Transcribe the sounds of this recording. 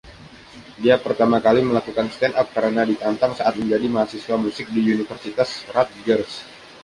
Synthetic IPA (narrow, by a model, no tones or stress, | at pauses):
diapərt̪amakaliməlakukanst̪ɛnʔap̚kəɾənadit̪ant̪aŋsaʔat̪̚məɲd͡ʒadimaɦasiswamusɪk̚diunifərsit̪asrat̪̚ɡərs